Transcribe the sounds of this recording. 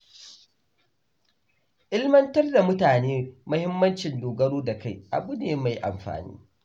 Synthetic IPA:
ʔɪ˦lmɐ˦ntɐ˦rda˨mʊ˦taː˨neː˦mʊ˦hɪ˦mːɐ˦nt͡ʃɪ˨ndoː˨ɡɐ˦ɽoː˦da˨ka˦˨jʔa̰˨bʊ˦neː˨ma˨jʔa̰˨mɸa̰ː˨nḭː˦

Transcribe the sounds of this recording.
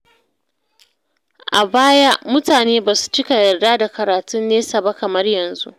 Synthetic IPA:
ʔa˨baː˦ja˦ʔmʊ˦taː˨neː˦baː˨su̥˨t͡ʃɪ˦ka˨jɐ˨rdaː˦da˨kɐ˨ɾaː˨tʊ˦nːeː˦sa˨ba˦kɐ˨mɐ˦rjɐ˨nzṵ˦ʔ

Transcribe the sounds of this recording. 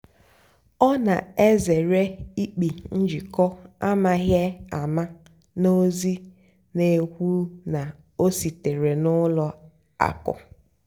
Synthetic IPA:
ɔ˦na̰˨e˦ze˨ɾe˦i˦k͡pi˨n̩˦d͡ʒi˨kɔ˦a˦ma˦ɣje˦a˨ma˦ | no˦zi˦ | ne˨hʷu˦na˨ | o˦si˨te˨ɾe˨nʊ˦lɔ˨ | a̰˨kʊ̰˨

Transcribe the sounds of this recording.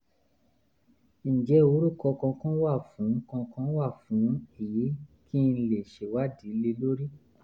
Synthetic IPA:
n̩˨d͡ʒɛ˧˦o˧˦ɾu˦˨kɔ˧kɔ̃˧kɔ̃˦wa˦˨fũ˨˦kɔ̃˧kɔ̃˦wa˦˨fũ˨˦i˦˨ji˨˦kʰi˦˧n̩˧le˨ʃe˨wa˦di˨˦le˧lo˦ɾi˦

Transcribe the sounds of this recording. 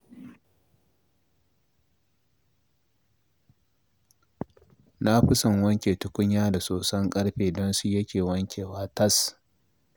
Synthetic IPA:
na˦ɸɪ˦sɐ˨ŋwɐ˦ŋkʲeː˨tʊ˨kʷʊ˦ɲjaː˦da˨soː˨sɐ˦ŋkʼɐ˦ɽɸeː˨dɔ˦nsu˦jɐ˦kʲeː˨wɐ˦ŋkʲeː˨waː˦tɐ˦s

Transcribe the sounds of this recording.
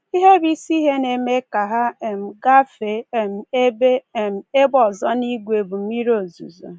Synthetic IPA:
i˦ɦe˦bi˦si˦ɦe˦ne˨me˦ka˨ɦa˦˨m̩˨ɡa˦fe˨m̩˨e˦be˦˨m̩˨e˦bɔ˨zɔ˦ni˦ɡʷe˨bu˨m̩˦mi˦ɾo˨zṵ˨zo̰˨

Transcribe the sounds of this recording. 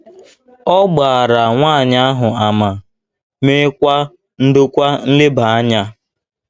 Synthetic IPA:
ɔ˦ɡ͡ba˨a˨ɾa˨ŋʷaː˦˨ɲa˦a˦ɦʊ˨a˨ma˨ | me˦kʷa˦ | n̩˦dʊ˦kʷa˦n̩˦le˦ba˨a˦ɲa˦

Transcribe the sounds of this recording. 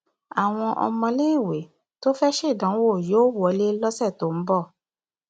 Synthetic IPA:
a˨w̃ɔ̃˧ʔɔ̰˧mɔ̃˧le˦i˦˨we˨˦ | to˦fɛ˦ʃe˦˨dã˨˦wo˦˨joː˦wɔ˨˧˦le˦lɔ˦sɛ˦˨to˨˦m̩˦bɔ˦˨

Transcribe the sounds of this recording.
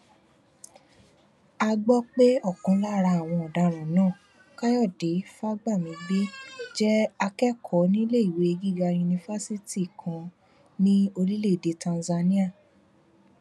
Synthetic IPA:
a˧ɡ͡bɔ˦k͡pe˦ɔ˦˨kũ˧˦la˦˨ɾa˧˨w̃ɔ̃˧ɔ˨da˨˦ɾ̃ã˨˦nãː˦˨ | ka˦jɔ˦˨de˨˦fa˦ɡ͡ba˦˨mĩ˨˧ɡ͡be˦d͡ʒɛ˦a˧kɛ˦kʰɔ˨˦nĩ˦le˦i˨we˨˦˧ɡi˦˨ɡa˧ju˧nĩ˧fa˦si˦ti˦˨kʰã˧ | nĩ˦o˧li˦le˦˨de˧tã˧nza˧nĩ˦a˦˨

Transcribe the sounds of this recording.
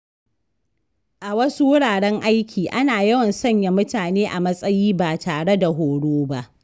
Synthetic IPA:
ʔa˨wɐ˦su˦wʊ˦ɽaː˨ɽɛ˦ŋʔa˦jkʲiː˨ʔa˦naː˨jɐ˦wɐ˨nsɐ˦ɲja˦mʊ˦taː˨neː˦ʔa˨mɐ˦sʼɐ˦jiː˦baː˨taː˨ɽe˦da˨ɦoː˨ɽoː˦ba˦ʔ

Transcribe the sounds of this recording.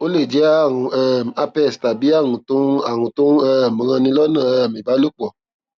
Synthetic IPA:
o˦le˦˨d͡ʒɛ˨˦a˦˨ũ˨ɛ˦˨m˨a˧pɛ˦˨sta˨bi˨˦a˦˨ŋũ˨tu˦a˨ŋũ˨tu˦ɛ˦˨m˨ɣã˧nĩ˧lɔ˦nã˦˨ɛ˦˨mĩ˨ba˨˦lo˦k͡pɔ˨

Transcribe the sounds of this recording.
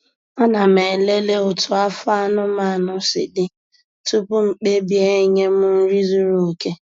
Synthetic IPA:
a˦na˨me˨le˦le˦ʊ˨tʊ˨a˦fa˦nʊ˦ma˦˨nʊ˦sɪ̰˨dɪ˦ | tu˦pʊ˦ŋ͡m̩˨k͡pe˦bi˦e˦ɲe˦mʊ˦n̩˦ɾi˦zu˦ɾu˨ke˦

